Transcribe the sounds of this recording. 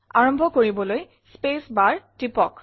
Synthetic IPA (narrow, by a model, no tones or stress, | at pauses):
a̰ɹɔmbʱɔkoɹibɔloj | spesbaɹtipɔk